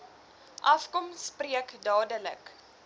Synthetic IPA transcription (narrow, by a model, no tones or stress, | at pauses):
ʔɐfkɔmspriəkdɑːdələ̰k